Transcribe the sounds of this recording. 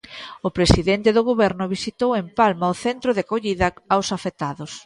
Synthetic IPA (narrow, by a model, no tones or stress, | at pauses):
ʊpɾesiðent̪ɪðʊɣ̞oβɛɾnʊβisit̪owempalmɐʊθent̪ɾʊðɪkoʎiðɐawsafet̪aðʊs